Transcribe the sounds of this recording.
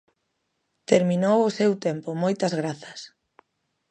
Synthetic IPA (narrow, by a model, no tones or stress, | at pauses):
t̪eɾminowʊsewt̪empʊmojt̪ɐzɣɾaθɐs